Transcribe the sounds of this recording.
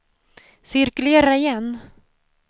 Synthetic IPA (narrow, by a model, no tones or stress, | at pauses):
sɪɾkɵleːɾaɪjɛnː